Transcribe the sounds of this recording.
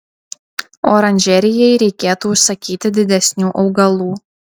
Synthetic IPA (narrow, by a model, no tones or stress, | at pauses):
oːɾɐnʲʒʲɛɾʲɪjɛjɾʲɛɪkʲeːt̪uːʊʃsɐkʲiːt̪ʲɪd̪ʲɪd̪ʲɛsʲnʲuːʔɒʊɡɐlˠuː